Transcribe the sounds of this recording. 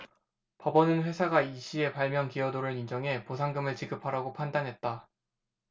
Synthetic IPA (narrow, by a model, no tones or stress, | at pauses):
pʌbʌnɯnɸwe̞sʰaɡaiɕʰie̞paɭmjʌnkiʌdoɾɯɭind͡ʑʌŋe̞posʰaŋɡɯmɯɭt͡ɕiɡɯpʰaɾaɡopʰandanɦe̞t̚t͈a